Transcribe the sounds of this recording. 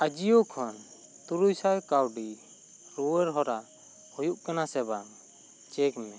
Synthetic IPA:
ad͡ʒijokʰɔn | t̪uɾujsajkawɖi | ɾuwɛɾɦɔɾa | hujuʔkanasɛbaŋ | t͡ʃɛkmɛ

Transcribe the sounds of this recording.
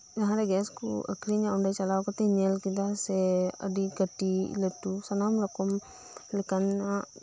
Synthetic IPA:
d͡ʒɐɦãɾɛɡɛːskṵɐ̰kɾiɲãʊɳɖat͡ʃɐlaːʋkɔt̪iɲelkid̪asɛɐ̰d̪iɡɐʈileʈusɐnaːmɾɐkɔm | likana

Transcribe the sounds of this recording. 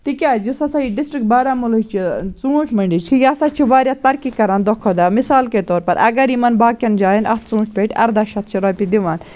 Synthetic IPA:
t̪ikʲaːd͡ʒisɐsaiɖɪsʈɾik̚baːɾaːmulut͡ʃʰit͡sũːʈʰmɐɳɖit͡ʃʰijɐsaːt͡ʃʰiʋaːɾʲjat̪ɐɾkikɐɾand̪ɔkʰɔd̪amisaːlket̪ɔːɾpɐɾʔɐ̰ɡɐɾimɐnbaːkʲɐnd͡ʒaːjinʔɐ̰t̪t͡sũːɳʈʰpʲeʈʰʲɐ̰ɾd̪aːʃɐt̪̚t͡ʃʰiɾɔːpid̪iʋaːn

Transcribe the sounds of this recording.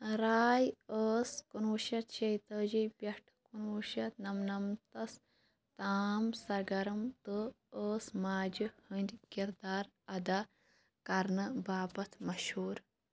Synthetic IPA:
ɾaːjəːskunuːʃɐt̪̚t͡ʃɐjt̪əːd͡ʒipjɐʈʰkunuːʃɐt̪nɐmnɐmt̪ɐs | t̪aːmsɐɾɡɐɾɐmt̪ɨ | əːsmaːd͡ʒɨhɨnd̪ʲkiɾd̪aːɾ | ɐd̪a | kɐɾnɨbaːpɐt̪ʰmɐʃhuːɾ

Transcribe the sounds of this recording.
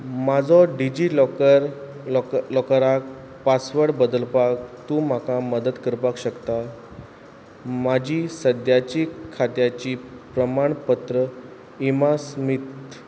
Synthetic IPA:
mad͡zʱɔɖid͡ʑiɾ | lɔkɾak̚ | pasʋəɽbəd̪əlpak̚t̪ũm̤akaməd̪ət̪kəɾpakɕəkt̪a | mad͡ʑʱiːsəd̪jat͡ɕikʰːat̪jat͡ɕiːpɾəmaɳpət̪ɾə | imasmit̪

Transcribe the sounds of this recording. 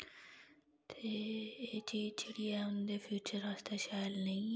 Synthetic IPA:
t̪ʰeːeːt͡ʃiːt͡ʃʰəɽiɛʊnd̪efʰjuːt͡ʃəɾaːst̪eːʃaːjəlnəĩ

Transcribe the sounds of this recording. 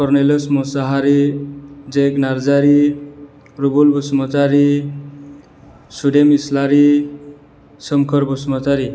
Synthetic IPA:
kɔɾneləsmosaɦaɾi | d͡ʒeknaɾd͡zaɾi | ɾubulbusmɔt͡saɾi | suɖemislaɾi | səmkʰəɾbusmɔt͡saɾi

